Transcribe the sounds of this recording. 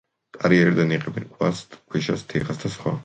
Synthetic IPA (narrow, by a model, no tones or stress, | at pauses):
k̪ʼaɾiɛɾd̪aniqʼɛbɛnkʼʰwa̰sʼkʰwiʃast̪ʰɛχasd̪asχwa̰